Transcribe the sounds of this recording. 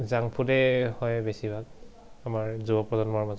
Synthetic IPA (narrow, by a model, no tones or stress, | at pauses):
zaŋpʰudɛhɔjbesibʱak̚ | amaɹzubɔpɹɔzɔnmɔɹmaz